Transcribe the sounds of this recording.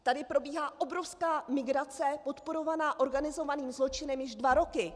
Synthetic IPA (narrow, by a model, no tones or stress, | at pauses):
t̪adɪpɾo̞biːɦaːʔo̞bɾo̞fskaːmɪɡɾat͡sɛpo̞t̪po̞ɾo̞vanaːʔo̞ɾɡanɪzo̞vaniːmzlo̞t͡ʃɪnɛmjɪʒdvaɾo̞kɪ